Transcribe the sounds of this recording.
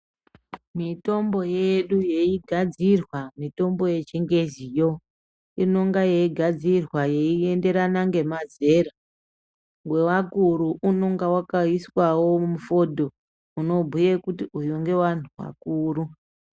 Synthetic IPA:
mito̞mbo̞jeɗuje̞iɡʱad͡zirwamito̞mbo̞je̞t͡ʃeŋɡezijo̞ | ino̞ŋɡaje̞iɡʱad͡zirwaje̞ie̞nde̞ɾanaŋɡe̞maze̞ɾa | ŋɡwe̞wakuɾuʔuno̞ŋɡawakaiswawo̞mufo̞dʱo | uno̞bʱujekutiujoŋɡe̞wan̤uwa̰kuːɾu

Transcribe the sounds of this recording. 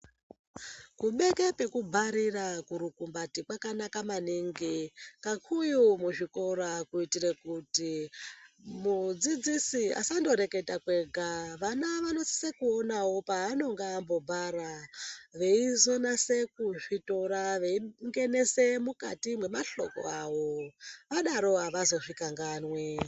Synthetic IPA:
kuɓe̞ke̞pe̞kubʱaɾirakuɾukumbatikwakanakamaniŋɡikakʰujumuʐiko̞ɾakuitirekuti | mud͡zid͡zisia̰sando̞ɾe̞ke̞takwe̞ɡʱaʋanaʋano̞si̥sekuonawo̞paano̞ŋɡambo̞bʱaɾaʋe̞izo̞nase̞kuʐito̞ɾaʋe̞iŋɡe̞ne̞se̞muka̰timwe̞maɬo̞̰ko̞̰aʋo̞ʋaɗaɾo̞ɦaʋazo̞ʐikaŋɡanwe

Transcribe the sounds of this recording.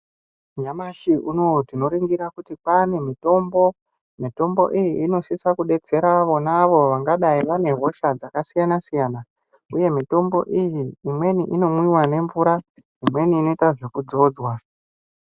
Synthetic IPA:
ɲamaʃiʔuno̞tino̞ɾiŋɡiɾakutipane̞mito̞mbo̞ | mito̞mbo̞̰ʔijiːno̞sisakuɗe̞d͡ze̞ɾaʋo̞naʋo̞ʋaŋɡaɗaiʋane̞ɦo̞ʃad͡zakasijanasijana | uje̞mito̞mbo̞̰ʔijiːmwe̞niʔino̞mwiwane̞ɱvuɾa | imwe̞niːno̞itaʐe̞kud͡zo̞ːd͡zwa

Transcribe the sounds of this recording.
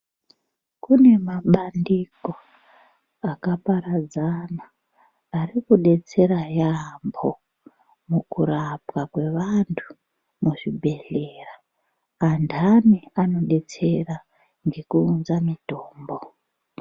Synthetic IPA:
kune̞maɓandiko̞ | akapaɾad͡zanaː | rikuɗe̞t͡se̞ɾajambo̞ | mukuɾapwakwe̞ʋantʰu̥ | muʐibʱe̞ɮeraː | ndʱaniano̞ɗe̞t͡se̞ra | ŋɡe̞kuːnzamitoːmbo

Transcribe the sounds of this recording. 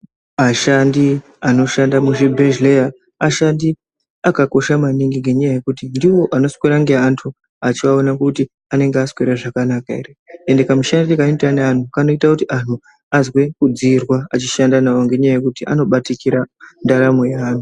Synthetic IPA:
maʃandi | ano̞ʃandamuʐibʱeʒleja | aʃandi | akako̞ʃamaniŋɡiŋɡe̞ɲajaje̞kutindiwo̞ʔano̞skweɾaŋɡe̞ɦantʰu | at͡ʃiaonakuti | ane̞ŋɡeaskweɾaʐakanakaeriendekamuʃandiikaintanean̤ukano̞itakutiʔan̤u | azwe̞kud͡zirwaat͡ʃiʃandanawoŋɡe̞ɲajaje̞kutiʔa̰no̞ɓatikiɾandaɾamo̞jeaːn̤u

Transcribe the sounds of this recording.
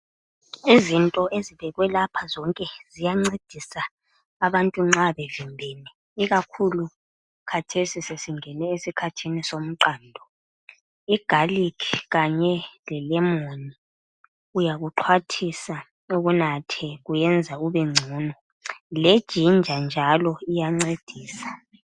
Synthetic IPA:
izintʼɔʔeziβɛɣwɛlapʰazɔŋkʼɛz̥ijaŋ͡ǀed̥ʱisaː | βantʼuŋ͡ǁaβevimbʱɛnɛ | iɣakʰulu | kʰatʰesisesiŋɛnɛesikʰatʰinisom̩ǃaːndʱɔ | iɡ̥ʱalikʰɣaɲɛlɛlɛmoni | ujaɣuǃʰwatʰisa | oβunatʰɛɣujɛnd͡zʱauβɛŋ͡ǀʱuːnɔ | led̥ʒ̥ʱind͡ʒʱand͡ʒʱalɔijaŋ͡ǀed̥ʱiːsḁ

